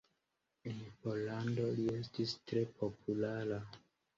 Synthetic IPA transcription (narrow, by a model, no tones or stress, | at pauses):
enpo̞lando̞lie̞stistɾe̞pʰo̞pʰulaɾa